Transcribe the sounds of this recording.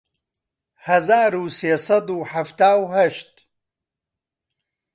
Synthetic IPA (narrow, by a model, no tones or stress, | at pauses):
hɐzaːɾuːseːsɐd̪uːħaft̪aːwhɐʃt̪